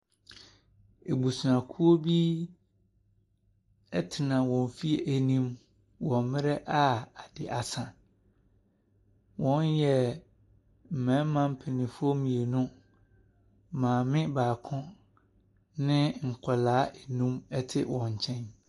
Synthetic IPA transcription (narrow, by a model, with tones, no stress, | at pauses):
e˨bu˨su˨nã˨kʰu˦o˦bi˦ | ɛ˦tʰɪ˨nã˨wɔ̃˨ɱ˨fi˦e˨ʔæ˨nĩ˦m | wɔ̃˨mmɪ̃˦ɾɛ˦ʔa˦a˨d̥ɪ˨ʔa˨sã˨ | wɔ̃˦njɛ˦ | m̩˨mɛ̃˨˦mã˦m̩˦pʰɛ˨nɪ̃˨fʊ˦o˦mĩ˨e˨nʊ̃˦ | mãː˨mɪ̃˦baː˨kʰʊ̃˦ | nɪ̃˦ŋ̩˨kʰɔ˨laː˨˦ʔe˨nũ˦mɛ˦tʰɪ˦wɔ̃˨ɲ̩˨t͡ɕʰɛ̃˦n